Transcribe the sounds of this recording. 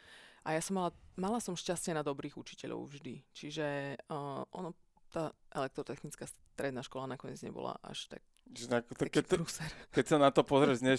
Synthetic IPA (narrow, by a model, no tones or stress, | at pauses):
ʔajasɔmalamalasɔmʃcascɪɛnad̪ɔbɾiːɣut͡ʃi̥cɛʎɔ̰ʊvʒd̪it͡ʃiʒɛ | ʔɔnɔ | t̪aːʔɛlɛk̚t̪ɾɔt̪ɛxnit͡skaːs | t̪ɾɛd̪naːʃkɔlanakɔɲɪɛd͡zɲɛ̰bɔ̰la̰ʔa̰ʃt̪a̰k̚ | ʒɛnat̪kɛɾusɛɾkɛcsanat̪ɔpɔzɾɛʒɲɛ